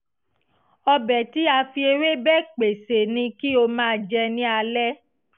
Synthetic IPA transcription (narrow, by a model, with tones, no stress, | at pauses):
ɔ˧bɛ˨ti˨˦a˧fi˧e˧ɾe˦bɛ˦˨k͡pe˨se˨nĩ˧ki˦o˧mãː˦˧d͡ʒɛ˧nĩ˦a˧lɛ˦